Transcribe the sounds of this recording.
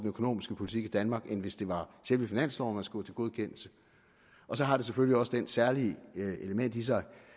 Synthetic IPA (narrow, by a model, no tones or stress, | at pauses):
denøkʰo̝no̝̰ːmisɡ̥əpʰo̝lit͡sʰiɡ̥id̥ænmɑ̈ːɡ̥enʋe̝sd̥e̝ʋɑ̈ɕelʋəfinæn̰slɒʊmæsɡ̥ɔ̰t͡sʰe̝lɡ̥o̝ð̞ˠkʰen̰l̩sə | ʔɒ̽sɒ̽ɦɑ̈ɾ̥e̝s̬eføliɒ̽səd̥ensæɐlieləmen̰d̥is̬ɑ̈ɪ